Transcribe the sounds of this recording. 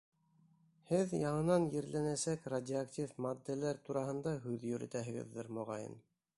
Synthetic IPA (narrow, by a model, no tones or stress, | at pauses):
hɘðjɑɴɤ̆nɑnjɘ̆ɾlænæsækradʲɪaktʲifmad̪ːɘlæɾt̪uɾɑɦɤ̆nd̪ɑɦʉðjɵ̆ɾɘ̰̆t̪æɦɘ̆ɡɘ̰ðːɘɾmŏʁɑjɤ̰n